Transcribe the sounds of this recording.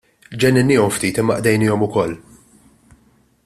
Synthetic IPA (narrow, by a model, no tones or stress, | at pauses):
d͡ʒɛnːɪnːɪːɔmft̪iːt̪ɪmːɐʔd̪ɛjnɪːɔmʊkɔlː